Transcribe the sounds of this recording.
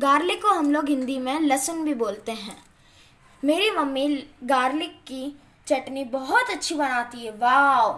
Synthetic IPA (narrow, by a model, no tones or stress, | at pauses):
ɡaːɾlɪkːoɦɐmloːɡɦɪ̃nd̪imẽlɐsənbʱiboːlt̪eɦɛ̃ː | meːɾiʋɐmiːlɡaːɾlɪkːi | t͡ʃɐʈnibɐɦɔt̪ɐtːʃʰibɐnaːt̪iɦɛʋaː